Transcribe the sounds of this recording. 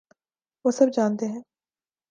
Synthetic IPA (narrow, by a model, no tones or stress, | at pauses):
ʋoːsɐb̚d͡ʒaːnt̪eɦɛ̃ː